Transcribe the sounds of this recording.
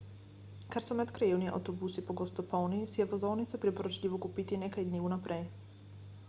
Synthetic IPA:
kaɾsɔmɛt̪kɾajuniʔa̰wt̪ɔbusipɔɡɔst̪ɔpɔlˠnisiɛvɔzɔnit̪sapɾipɔɾɔt͡ʃlʲivɔkupit̪inɛkajd̪nivunapɾɛj

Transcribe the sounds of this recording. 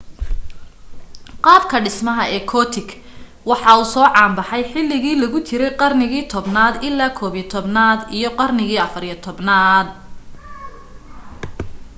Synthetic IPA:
qɑːb̚kʰɐɖɪsmɐɦɐɛːkʰɔːt̪ʰɪɡ | wɑħɑuːsɔːʕɑːmbɑħɑjħɪlːɪɣiːlɐɣʊt͡ʃʰɪɾɛjqɑrnɪɣiːt̪ʰɔbnaːd̪ɪlːaːkʰɔːβit̪ʰɔbnaːd̪ijɞqɑrnɪɣiːɐfɐɾjɛt̪ʰɔbnaːd̪̚

